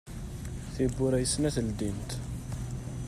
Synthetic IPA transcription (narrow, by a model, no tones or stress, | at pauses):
θibːʊɾæjəsnæθəld̪int̪